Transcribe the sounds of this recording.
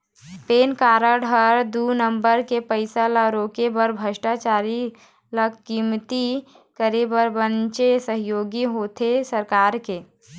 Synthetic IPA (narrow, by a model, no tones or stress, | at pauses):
peːnkaːɾəɽʱəɾd̪unəmbəɾkepəɪsalaɾoːkebəɾbʱəʃʈat͡ʃaːɾi | ləkimt̪i | kəɾebəɾbənt͡ʃesəɦɪjoːɡiɦoːt̪ʰesəɾkaːɾke